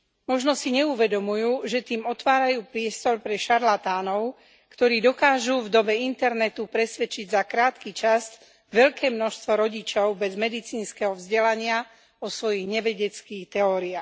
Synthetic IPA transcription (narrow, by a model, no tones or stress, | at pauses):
mɔʒnɔsiɲɛuʋɛd̪ɔmujuːʒɛt̪iːmɔt̪ʋaːɾajuːpɾɪɛst̪ɔɾpɾɛʃaɾlat̪aːnɔʊ | kt̪ɔɾiːd̪ɔkaːʒuvd̪ɔbɛint̪ɛɾnɛt̪upɾɛsʋɛt͡ʃiɟzakɾaːt̪kit͡ʃas | ʋɛʎkɛːmnɔʃst̪ʋɔɾɔɟit͡ʃɔʊbɛzmɛd̪it͡siːnskɛːɦɔvzɟɛlaɲɪa | ɔsʋɔjiɣɲɛʋɛɟɛt͡skiːxt̪ɛɔːɾiaːx